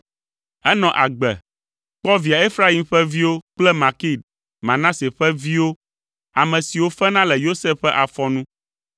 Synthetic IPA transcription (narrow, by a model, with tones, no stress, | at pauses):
ɛ˦nɔ̃˨ʔa˨ɡ͡bɛ̰˨ | k͡pɔ˦vi˨a˨e˦fɾa˦i˨˦mɸɛ˦vi˦wo˦k͡plɛ˦mã˨ki˦˨d̪̚ | mã˨nã˦se˨ɸɛ˦vi˦wo˦ | a˨mɛ̃˨si˨wo˦fɛ˦nã˦lɛ˨jo˦se˦ɛ˦ʔa˨fɔ˦nũ˦